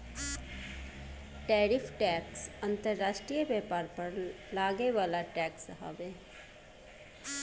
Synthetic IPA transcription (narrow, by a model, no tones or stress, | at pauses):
ʈɛːɾɪfʰʈɛːksə̃nt̪əɾːaːʃʈɾijəbɛːpaːɾpɐɾlaːɡeʋaːlaʈɛːksɦɐ̰ʋeː